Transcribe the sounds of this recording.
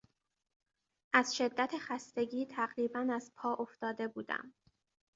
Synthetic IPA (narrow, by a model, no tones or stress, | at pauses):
ʔæz̥ʃe̞d̪ːæt̪ʰexæst̪e̞ɟiːt̪ʰæɢɾiːbænæzpʰɒːʔoft̪ɒːd̪e̞buːd̪æ̰m